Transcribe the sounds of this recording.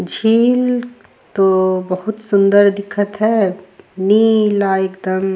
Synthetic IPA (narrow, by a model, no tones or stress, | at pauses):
d͡ʒʱiːl | t̪obɐɦʊt̪sʊ̃nd̪əɾd̪ɪkʰət̪ɦɛːniːlaːeːkd̪əm